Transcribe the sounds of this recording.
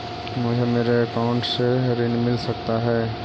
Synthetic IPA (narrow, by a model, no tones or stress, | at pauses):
mʊd͡ʒʱemeːɾeɐkaʊ̃ɳʈseɾɪnmɪlsɐk̚t̪aɦɛː